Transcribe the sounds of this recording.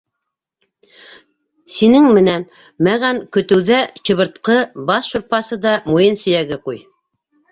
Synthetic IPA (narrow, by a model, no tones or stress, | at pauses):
sinɘŋmɘ̆næn | mæʁæŋkɵ̆t̪ɘ̆wðæt͡ɕɤ̆βɤ̆ɾt̪qɤbɑsʃŭɾpɑsɤd̪ɑmujɤnsɵ̆jæɡɘquj